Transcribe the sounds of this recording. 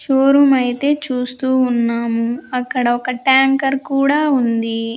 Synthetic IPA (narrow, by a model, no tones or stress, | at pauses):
t͡ʃoːɾumɐjit̪e̞ːt͡ʃuːst̪uːnːaːmuɐkːɐɽɐɔkɐʈaːŋkɐɾkuːɽaːund̪i